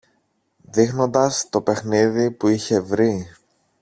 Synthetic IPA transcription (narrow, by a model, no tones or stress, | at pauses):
ðixno̞nd̪ɐst̪o̞pe̞xniðipuiçe̞vɾi